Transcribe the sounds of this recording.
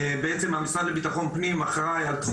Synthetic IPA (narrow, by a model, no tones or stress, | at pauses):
beet͡semamisʁadlebit̪aχo̞npnimaχʁajals